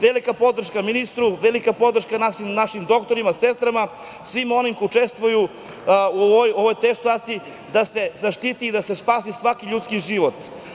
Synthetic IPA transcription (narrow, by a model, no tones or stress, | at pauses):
ʋelikapo̞d̪r̩ʃkaminist̪ɾuʋelikapo̞d̪r̩ʃkanaʃimnaʃimd̪o̞kt̪oɾimasest̪ɾama | sʋimo̞nimkut͡ʃest̪ʋuju | uoʋojoʋojt̪esat̪sii | d̪asezaʃt̪it̪iːd̪ase̞spaːsisʋakiʎut̪skiʒiʋot̪